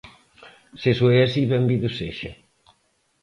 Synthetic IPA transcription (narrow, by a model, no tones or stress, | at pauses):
sesweasiβɛmbiðusḛʃɐ̰